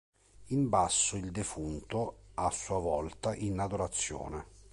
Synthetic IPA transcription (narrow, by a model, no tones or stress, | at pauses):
imbasːʊild̪efunt̪ʊasːuavɔlt̪aʔinad̪oɾat̪sːjɔ̰ːnɛ